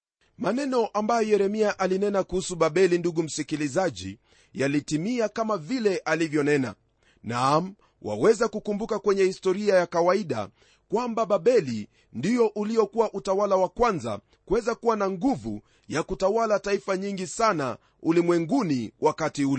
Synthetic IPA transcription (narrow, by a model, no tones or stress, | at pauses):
manɛnɔʔambajɔjɛɾɛmiaʔalinɛnakuhusuɓaɓɛlinduɠum̩sikilizaʄḭ | jalitimiakamavilɛʔalivjɔnɛna̰ | nam̩ | wʔa̰wɛzakukumbukakwɛɲɛhistɔɾiajakawaiɗa̰ | kwambaɓaɓɛli | ndijɔʔuliɔkuwaʔutawalawakwanza̰ | kuwɛzakuwanaŋɡuvṵ | jakutawalataifaɲiŋɡisana̰ | ulimwɛŋɡuniwʔakatiulɛ